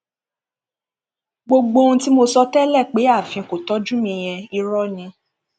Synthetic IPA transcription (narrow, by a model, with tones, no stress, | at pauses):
ɡ͡bo˧ɡ͡bo˧ũ˧ti˦mo˧sɔ˧tɛ˦lɛ˦˨k͡pe˨˦a˦˨fĩ˧˨ko˨tɔ˨˦d͡ʒũ˦mĩ˧j̃ɛ̃˧i˧ɾɔ˦nĩ˧